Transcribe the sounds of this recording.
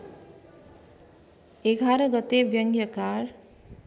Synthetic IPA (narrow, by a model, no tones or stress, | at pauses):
eɡʱaɾʌɡʌt̪ebjʌŋɡjʌkar